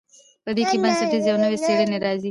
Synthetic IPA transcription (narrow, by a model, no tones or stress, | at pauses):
pəɾikibɐnsɐʈizjɐwnəweseɾeneɾɑːzi